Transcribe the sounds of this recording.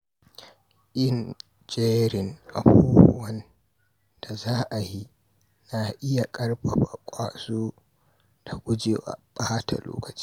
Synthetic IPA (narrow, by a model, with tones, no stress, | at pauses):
ʔɪ˦n | d͡ʒe˦ɾɪ˨ŋʔa̰˨buː˦bʊ˦wɐ˦n | d̥a˨zaː˦ʔa˨ji˦ | na˨ʔɪ˦ja˨kʼɐ˦rbɐ˨ɸa˨kʷʼaː˨soː˦ | d̥a˨ɡʷʊ˦d͡ʒeː˨wa̰˨ɓʼaː˦ta̰˨lo̰ː˦kɐ̥˨t͡ʃi̥ː˦